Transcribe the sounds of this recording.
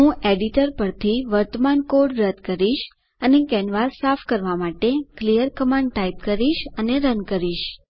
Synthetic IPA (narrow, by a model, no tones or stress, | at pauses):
ɦũeɖiʈəɾpəɾt̪ʰiʋəɾt̪əmankoɖɾəd̪kəɾiʃ | ənekɛnʋaɾsafʰkəɾʋamaʈeklijəɾkəmãɳɖ̚ʈaip̚kəɾiʃəneɾənkəɾiʃ